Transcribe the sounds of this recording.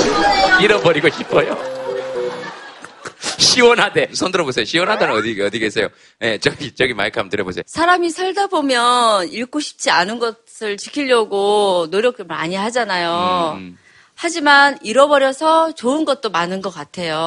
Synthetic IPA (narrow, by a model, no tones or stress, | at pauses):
iɾʌnbʌɾiɡoɕʰip͈ʰʌjo | ɕʰiwʌnɦade̞usʰʌndɯɾʌbosʰejoɕʰiwʌnɦadenɯnʌdiɡʌdiɡes͈ʰejo | je̞t͡ɕʌɡit͡ɕ͈ʌɡima̰ɭkʰamtɯɾjʌbos̬ʰejosʰaɾamisʰʌɭdabomjʌniɭk͈oɕʰi̥p̚t͡ɕ͈ianɯnɡʌsʰɯɭt͡ɕikʰiʎːʌɡonoɾjʌk̚tmaɲiɦad͡ʑanajo | had͡ʑimaniɾʌbʌɾjʌsʰʌt͡ɕoɯnɡʌt̚t͈omanɯnɡʌk͈atʰe̞jo